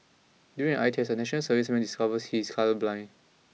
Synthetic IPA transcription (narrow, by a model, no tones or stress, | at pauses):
djuɹĩŋajtʰɛsənɛʃə̃nəlsəvismɛ̃ndiskavəshiskʰaləblãɪ̃n